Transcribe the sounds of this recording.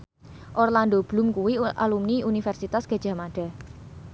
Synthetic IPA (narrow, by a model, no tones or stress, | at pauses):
ʔɔrland̪ob̥lumkuwiʔa̰lumniunifɛrsit̪asɡ̥a̤̥ʒ̥a̤maɖ̥a̤